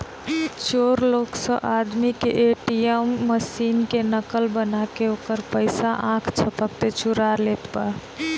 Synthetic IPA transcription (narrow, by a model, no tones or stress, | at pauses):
t͡ʃoɾloksəʔad̪mikḛʔeʈiemːəsinkenəkəlbənakeokəɾpəɪsaʔãkʰt͡ʃʰəpək̚t̪et͡ʃʰuɾaɾlet̪ba